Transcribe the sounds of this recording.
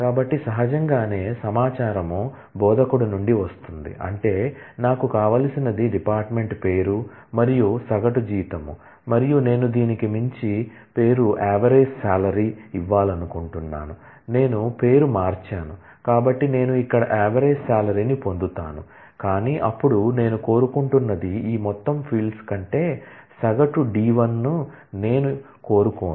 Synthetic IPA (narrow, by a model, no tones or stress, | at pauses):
kaːbɐʈːisɐɦɐd͡ʒɐŋɡaːne̞ːsɐmaːt͡ʃaːɾɐmu | bɔːd̪ɐkuɽunuɳɖiʋɐst̪und̪ḭʔɐ̰ɳʈe̞ːnaːkukaːʋaːlɐsinɐd̪iɖipaːɾʈme̞ɳʈpe̞ːɾu | mɐɾijusɐɡɐʈud͡ʒiːt̪ɐmṵ | mɐɾijune̞ːnud̪iːnikimiɲt͡ʃi | pe̞ːɾuʔɛːʋɐɾeːssaːlɐɾiiʋːaːlɐnukuɳʈunːa̰ːnu | ne̞ːnupe̞ːɾumaːɾt͡ʃaːnu | kaːbɐʈːine̞ːnuikːɐɽɐ̰ʔɛːʋɐɾeːsaːlɐɾinipond̪ut̪a̰ːnṵ | kaːniʔɐpːuɽune̞ːnuko̞ːɾukuɳʈunːɐd̪iiːmɔt̪ːɐmpʰiːlɖskɐɳʈe̞ː | sɐɡɐʈuɖiːʋɐnːu | ne̞ːnu | ko̞ːɾukoː